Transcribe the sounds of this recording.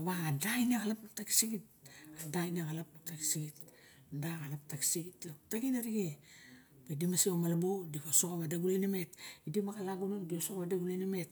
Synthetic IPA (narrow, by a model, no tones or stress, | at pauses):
βaadajnaɣalapap̚taki̥siɡit̚adajnaɣalapataki̥siɡit | daɡalap̚taki̥siɡitaptakinaɾiɡi | bedimasiomalabodipasokaβadaɡulajnime̞tidimakalaɡunondiosokβadaɡulajnamet̚